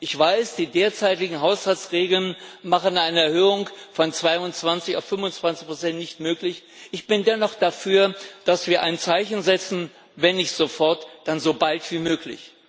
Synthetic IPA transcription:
ʔɪçv̥aɪsd̥iːdeːɐt͡saɪtɪɡŋ̩ɦaʊshalt͡sʁeːɡl̩nmaχənaɪnəɛɐɦøːʊŋkfɔnt͡sv̥aɪʊnt͡sv̥ant͡sɪça̰ʊfʏmʊnt͡sv̥ant͡sɪçpʁ̥ot͡sɛntnɪçtmøːklɪç | ʔɪçb̥ɪndɛnɔχd̥afyːɐd̥asv̥iːɐʔaɪnt͡saɪçn̩zɛt͡sn̩ | vɛnːɪçtz̥ofɔɐtd̥anzobaltv̥iːmøːklɪ̰ç

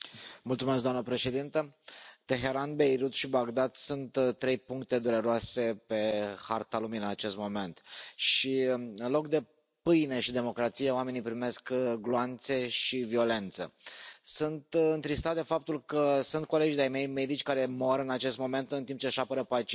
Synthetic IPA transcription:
mult̪sumesk̚ɡd̪oamnəpɾe̞ʃe̞d̪int̪ət̪e̞ɦe̞ɾanbe̞jɾut̪ʃibaɡd̪ad̪sunt̪t̪ːɾe̞jpuŋkt̪e̞d̪uɾe̞ɾoase̞pe̞hart̪aluminənat͡ʃe̞st̪mo̞me̞nt̪ʃiɨnlo̞kd̪e̞ | pɨjne̞ʃid̪e̞mo̞kɾat̪sijeoame̞nijpɾime̞skɡloant̪se̞ʃivio̞le̞nt̪sə̰sunt̪ɨnt̪ɾist̪at̪d̪e̞fap̚t̪ulkəsunt̪̚ko̞le̞d͡ʒid̪ajme̞jme̞d̪it͡ʃʲkaɾe̞mo̞ɾɨnat͡ʃe̞st̪mo̞me̞nt̪ɨnt̪imp̚t͡ʃeʃapəɾəpat͡ʃ

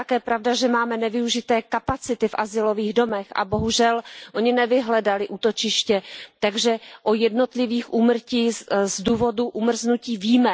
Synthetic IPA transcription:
akɛːpɾavdaʒɛmaːmɛnɛvɪuʒɪt̪ɛːkapat͡sɪt̪ɪfʔazɪlo̞viːɣdo̞mɛxʔa̰boɦuʒɛlʔo̞ɲɪnɛvɪɦlɛdalɪʔuːt̪ot͡ʃɪʃcɛt̪aɡʒɛʔojɛdno̞t̪lɪviːxʔuːmr̩ciːzduːvo̞duʔumr̩znuciːviːmɛ

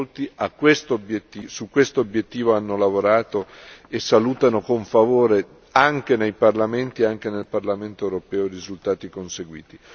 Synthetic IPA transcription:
lt̪iʔakːwest̪oobjet̪ːiːsukːwest̪oobjet̪ːiːvoanːolavoɾaːt̪oesːaluːt̪anokoɱfavoːɾe | aŋk̟enejparlament̪ieaŋk̟enelparlament̪oewɾopɛːorizult̪aːt̪ikonseɡwḭːt̪i

